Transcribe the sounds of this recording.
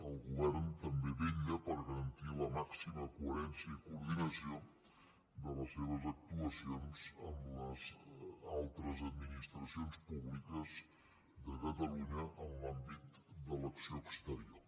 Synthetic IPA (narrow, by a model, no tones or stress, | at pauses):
əlˠɣuβɛɾnt̪əmbeβeʎəpəɾɣəɾənt̪iləmaksiməkuəɾɛnsjəikuːɾðinəsio | d̪ələseβ̞əzək̚t̪uəsionzəmləzalˠt̪ɾəzəd̪minist̪ɾəsionspuβlikəz | d̪əkət̪əluɲəʔənlambit̪d̪ələksioəkst̪əɾior